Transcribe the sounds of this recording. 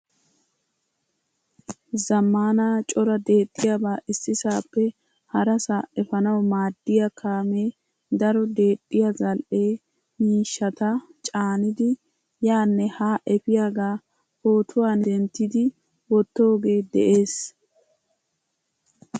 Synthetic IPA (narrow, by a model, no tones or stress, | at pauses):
zɐmːaːnaːt͡ʃʼɔɾɐd̪e̞ːt̪ʼːɪjabaːʔɪsːɪsaːpːɛ | hɐɾɐsaɛfɐnɐwmaːd̪ːɪjɐkʰaːme̞ː | d̪ɐɾɔd̪e̞ːt̪ʼːɪjɐzɐlʔe̞ː | miːʃːɐt̪ɐt͡ʃʼaːnɪd̪ɪ | jaːnːɛhaːʔɛfɪjaːɡaː | hoːt̪ʰʊwaːnd̪ɛnt̪ːɪd̪ɪ | wɔt̪ːo̞ːɡe̞ːd̪ɛʔe̞ːs